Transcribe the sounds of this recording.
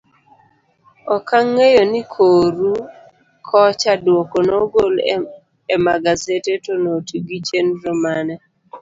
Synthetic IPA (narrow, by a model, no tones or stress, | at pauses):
ɔkaŋːejonikʰoɾu | kʰɔt͡ʃadwokonoɡol | emaɡazetetonotiɡit͡ʃenɾɔmanɛ